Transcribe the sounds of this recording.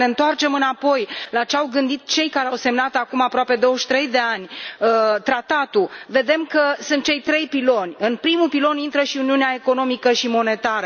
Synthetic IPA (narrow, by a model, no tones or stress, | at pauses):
neɨnt̪oart͡ʃe̞mɨnapo̞jlat͡ʃeawɡɨnd̪it̪̚t͡ʃe̞jkaɾeawse̞mnat̪akumapɾoape̞d̪o̞wəʃt̪ɾe̞jd̪e̞anʲət̪ɾat̪at̪uve̞d̪e̞mkəsunt̪̚t͡ʃe̞jt̪ɾe̞jpilo̞nʲɨnpɾimupilo̞nint̪ɾəʃiuniuneae̞ko̞no̞mikəʃimo̞ne̞t̪aɾə